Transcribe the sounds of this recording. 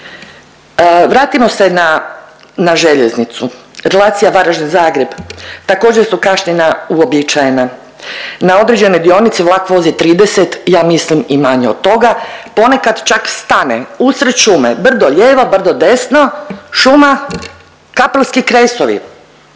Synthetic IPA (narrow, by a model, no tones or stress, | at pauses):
ʋɾaːt̪imo̞se̞na | naʒe̞ʎeznit̪suɾe̞laːt̪sijaʋaɾaʒnizaːɡɾe̞bt̪akoːd͡ʑeɾsukaʃɲenauo̞bit͡ʃajena | nao̞d̪ɾed͡ʑe̞no̞jd̪io̞nit̪siʋlˠakʋo̞zit̪ɾiːd̪eset̪jaːmislimimaɲeod̪̚t̪o̞ɡapo̞ne̞kad̪t͡ʃakst̪anḛusɾeʃumebr̩d̪o̞ʎeːʋo̞br̩d̪o̞d̪e̞snoʃuma | kapelskikɾesoʋḭ